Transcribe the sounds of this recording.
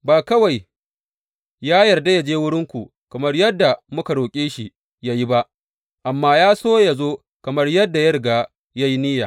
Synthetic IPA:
baː˨kɐ˦wa˨j | jaː˦jɐ˨rda˦ja˨d͡ʒeː˦wʊ˦ɽɪ˦ŋkʷu˨ | kɐ˨mɐ˦rjɐ˦dːa˨mʊ˦ka˨ɽoː˨kʲʼeː˦ʃi˨ | ja˦ji˦ba˦ʔ | ʔa˨mːaː˦jaː˦soː˦ja˨zoː˦ | kɐ˨mɐ˦rjɐ˦dːa˨jɐ˦ɾɪ˨ɡaː˨ | ja˦ji˦nɪ˦jaː˨

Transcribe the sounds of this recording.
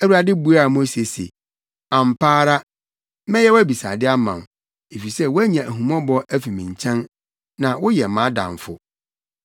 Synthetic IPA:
ɛ˦wu˦a˨dɪ˦bu˨˦a˦˨mʊ̃˦se˨sḛ˨ | ã˨m̩˨pʰaː˦ɾa˦ | mɛ̃˦jɛ˦wæ˦bi˨sa̰˨dɪ˦a˦mã˨m˨ | e˨fi˨sɛ˦wæ˦ɲã˨ʔæ˨ɦũ˨mɔ̃˦bɔ˦ʔæ˦fi˨mĩ˨ɲ˨t͡ɕʰɛ̃˦n | nã˨wʊ˦jɛ˨mã˨˦dã̰˨ɱ˨fʊ̰˦

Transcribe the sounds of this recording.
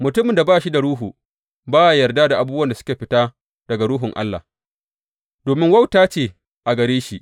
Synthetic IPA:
mʊ˨tʊ˦mɪ˨nda˨baː˦ʃi˦da˨ɽuː˦ɦuː˨ | baː˦ʔa˨jɐ˨rda˦da˨ʔa˨buː˦bwɐ˨nda˨sʊ̥˦kʲeː˨ɸɪ˦taː˦ | d̥ɐ˨ɡa˨ɽuː˦ɦʊ˨ŋʔa̰˦lːa̰˨ | doː˨mɪ˦ŋwɐ˦wtaː˦t͡ʃeː˨ | ʔa˨ɡɐ˨ɾeː˦ʃi˦ʔ

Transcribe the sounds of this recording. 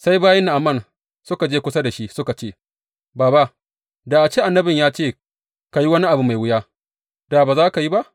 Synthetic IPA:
sa˦jbaː˦jɐ˦nːa˨ʔa˨mːɐ˦˨n | sʊ˦ka˨d͡ʒeː˦kʷʊ˦sa˦da˨ʃi˦sʊ˦ka˨t͡ʃeː˦˨ | baː˨ba˦ʔ | da˨ʔa˨t͡ʃeː˦ʔa˨nːɐ˦bɪ˨ɲjaː˦t͡ʃeː˦˨ | ka˨ji˦wɐ˦ni˦ʔa˨bu˦ma˨jwʊ˦jaː˦ | d̥a˨baː˨zaː˦ka˨ji˦ba˦ʔ

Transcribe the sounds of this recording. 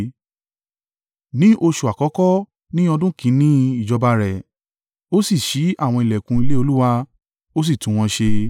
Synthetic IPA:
nĩ˨˦ʔo˧ʃu˨a˨kɔ˨˦kɔ˦ | nĩ˦ɔ˧dũ˦kʰĩ˨˦nĩ˦i˦˨d͡ʒɔ˧ba˧ɾɛ˨ | o˦si˦˨ʃi˨˦ʔa˦˨w̃ɔ̃˧i˨lɛ˨kũ˧i˧le˦o˧lu˦wa˧ | o˦s̬i˦˨tũ˨˦w̃ɔ̃˧ʃe˧

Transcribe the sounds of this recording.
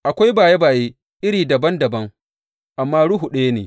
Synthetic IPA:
ʔa˨kʷa˦jbaː˨je˦baː˨jeː˦ | ʔɪ˦ɽiː˨dɐ˨bɐ˦ndɐ˨bɐ˦ŋ | ʔa˨mːaː˦ɽʊ˦ɦu˨ɗe˦je˦nḛː˨

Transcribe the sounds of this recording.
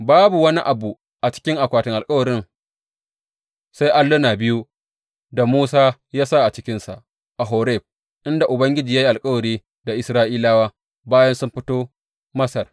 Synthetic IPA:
baː˦bu˨wɐ˦nḭ˦ʔa˨bu˨ | ʔa˨t͡ʃɪ̥˦kʲɪ˦ŋʔa˨kʷaː˨tɪ˨ŋʔa˨lkʼɐ˦wɐ˨ɾɪ˦n | sa˦jʔa˦lːʊ˦naː˨bɪ˦ju˦ | da˨muː˦saː˦jaː˦sa˦˨ʔa˨t͡ʃɪ̥˦kʲɪ˦nsa̰˨ʔ | ʔa˨ɦoː˨ɾɛ˦˨ɸ̚ | ʔɪ˦nda˨ʔʊ˨bɐ˦ŋɡʲɪ˦d͡ʒiː˨jaː˦ji˦ʔa˨lkʼɐ˦wɐ˨ɾiː˦ | da˨ʔɪ˨sɾaː˦ʔiː˦laː˦waː˦ | baː˦jɐ˦nsʊ˦mɸɪ˦toː˦ | mɐ˦sɐ˨r

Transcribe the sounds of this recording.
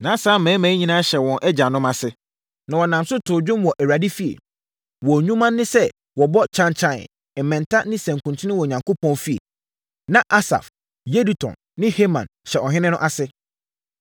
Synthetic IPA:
nãː˨˦saː˨˦mɛ̃ː˨˦mæ̃ː˨˦ɲĩ˦nã˦ɕɛ˨wɔ̃˨nʔɛ˦d͡ʑa˨nʊ̃˦ma˨sɪ˦ | nã˨wɔ˨nã˨msʊ˦tʰʊ˨d͡ʑᶣʊ̃˦mwɔ˨ʔæ˨a˨di˦fi˦ḛ˨ | wɔ˨ɲũ˦mã˦nːɪ̃˦sɛ˦ | wɔ˨bɔ˦t͡ɕʰã˦nt͡ɕʰã̰˦˨ | ɛ˨mːɛ̃˨ntʰa˦nɪ̃˦sɛ̃˨ŋ˨kʰũ˨ntʰɪ̃˦nɪ̃˦wɔ˨ɲã˨ŋkʰo˦pʰɔ̃˦nfi˦ḛ˨ | nã˨ʔa˦sa̰˨f | je˦di˨tʰɔ̰̃˨nːɪ̃˦he˦mã̰˨nɕɛ˨ʔɔ˨ɦɪ̃˦nɪ̃˦nʊ̃˦ʔa˨sɪ˦

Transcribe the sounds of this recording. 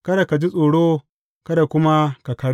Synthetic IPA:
kɐ˦da˨ka˨d͡ʒi˦sʼoː˨ɽoː˦ | kɐ˦da˨kʷʊ˦ma˦ka˨kɐ˦ɽ

